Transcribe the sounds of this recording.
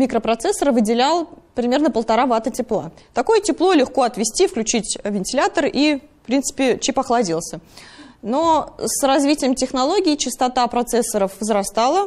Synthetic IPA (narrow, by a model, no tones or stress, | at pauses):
mʲikɾəpɾɐt̪sɛsːəɾvɨdʲɪlʲalˠpɾʲɪmʲernəpəlˠt̪ɐɾavat̪ətʲɪplˠa̰t̪ɐko̞jətʲɪplˠolʲɪxko̞ɐt̪vʲɪsʲtʲifklʲʉt͡ɕitʲvʲɪnʲtʲɪlʲat̪ərifpɾʲint̪sɨ̥pʲɪt͡ɕipɐxlˠɐdʲilˠsʲənosrɐzvʲitʲɪjəmtʲɪxnɐlˠo̞ɡʲɪːt͡ɕɪst̪ɐt̪apɾɐt̪sɛsːəɾəfvəzɾɐst̪alˠə